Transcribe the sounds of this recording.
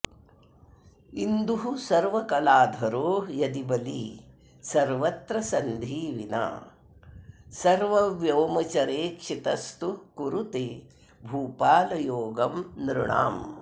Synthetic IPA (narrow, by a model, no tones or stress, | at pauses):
ind̪uɦusɐɾʋɐkɐlaːd̪ʱɐɾoːjɐd̪ibɐliː | sɐɾʋɐt̪ɾɐsɐnd̪ʱiːʋina̰ː | sɐɾʋɐʋjoːmɐt͡ʃɐɾeːkʂit̪ɐst̪ukuɾut̪eː | bʱuːpaːlɐjoːɡɐmnɾuɳa̰ːm